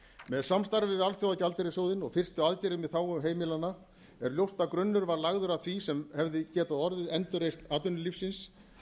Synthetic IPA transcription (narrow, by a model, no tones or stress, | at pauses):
mɛðsamst̪aɾvɪalθjowacalt̪ɪɾɪsoːwðɪnɔɣfɪr̥st̪ɪaðcɛɾɪmɪθaːwʏmɦeːjmɪlanːa | ɛɾljowst̪akɾʏnːʏɾvaɾlaɣðʏɾaðθvisɛmhɛvðɪcɛːt̪aðɔɾðɪðɛnt̪ʏrejst̪aːt̪ʏnːʏlifsːɪns